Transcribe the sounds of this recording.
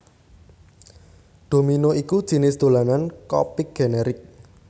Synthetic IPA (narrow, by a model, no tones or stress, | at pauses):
d̪̥o̤minoikud̥ʒ̥i̤nɪsd̪̥o̤lanankɔ̰pɪk̚ɡ̥enɛɾɪk̚